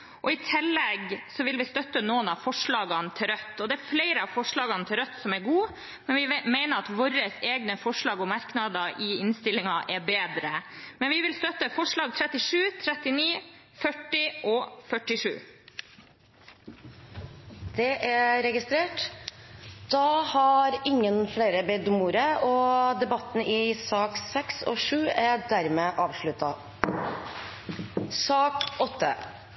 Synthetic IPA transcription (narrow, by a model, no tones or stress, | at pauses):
ʔɔɪt̪ʰɪlːɛɡsɔʋɪlʋɪst̪œt̪ːənɔnɑfɔʂɭɑːɡɑnt̪ʰɪɾœt̪ːɔd̪ɛæɾfleɪɾəɑʋfɔʂɭɑːɡɑnt̪ʰɪlɾœt̪ːsɔmæɾɡuː | mɛnʋɪmɛɪnəɾɑt̪ʋɔɾəseːɡnəfɔʂɭɑːɡɔmɑɾknɑd̪ɑʔɪɪnst̪ɪlːɪŋɑʔɛbeːd̪ɾəmɛnʋɪʋɪlst̪œt̪əfɔʂɭɑːɡ̚t̪ʰɾɛt̪ːɪʂʉːt̪ʰɾɛt̪ɪniː | fœʈːɪʔɔfœʈːɪʂʉ̰ː | d̪̥ɛʔæɾɛɡɪst̪ɾeːʈ | d̪̥ɑhɑɾɪŋːənfleːɾəbɛd̪ʊmuːɾəɔd̪ɛbɑt̪ːn̩ɪsɑːksɛksɔ̰ʂʉːæɖæɾmeːʔɑːʋʂɭʉt̪ɑ | sɑːkɔt̪ːə̰